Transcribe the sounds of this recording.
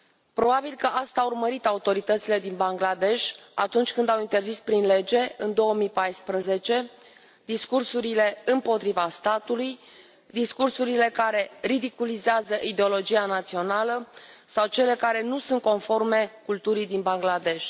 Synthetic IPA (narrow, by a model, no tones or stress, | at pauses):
pɾo̞babilkəʔast̪aːurməɾit̪aut̪o̞ɾit̪ət̪sile̞d̪inbaŋɡlad̪e̞ʃʲa̰t̪unt͡ʃʲkɨnd̪awint̪e̞rzispɾinle̞d͡ʒe̞ɨnd̪o̞əmipajspɾəze̞t͡ʃe̞ | d̪iskursuɾile̞ɨmpo̞t̪ɾivast̪at̪uluj | d̪iskursuɾile̞kaɾe̞rid̪ikulizeazəʔid̪eo̞lo̞d͡ʒianat̪sio̞nalə | sawt͡ʃe̞le̞kaɾe̞nusunt̪̚ko̞nfo̞rme̞kult̪uɾid̪inbaŋɡlad̪e̞ʃ